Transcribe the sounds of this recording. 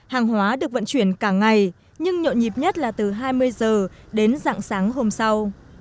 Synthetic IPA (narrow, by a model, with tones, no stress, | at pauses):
haː˨˩ŋɦwaː˨˦ɗɨ˨˩ək̚və̰˧˨nt͡ɕwi˧˩ənkaː˧˩ŋa˨˩j | ɲɨ˧ŋɲo̰˧˨ɲi˨˩p̚ɲə˦˥t̚laː˨˩t̪ɨ˨˩ɦaː˧jmɨ˧əjzəː˨˩ɗe˨˦nza̰ː˧˨ŋsaː˨˦ŋɦo˧msa˧w